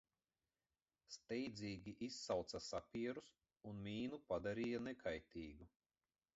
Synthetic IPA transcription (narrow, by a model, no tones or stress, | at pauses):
st̪ɛjd̪zʲiːɡʲiʔisːawt̪sasapʲiɛɾus | unmʲiːnupad̪aɾijanɛkʰajt̪ʲiːɡu